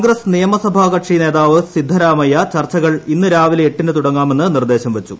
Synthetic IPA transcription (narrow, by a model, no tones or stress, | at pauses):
ŋɡɾɐsnijɐmɐsɐbʱaːɣɐʈʂine̞ːðaːʋɨsid̪ʱːɐɾaːmɐjɐt͡ɕɐrt͡ɕːɐɣɐɭinːɨɾaːʋileeʈːinɨt̪uɽɐŋːaːme̞nːɨnird̪e̞ːɕɐmʋet͡ɕːu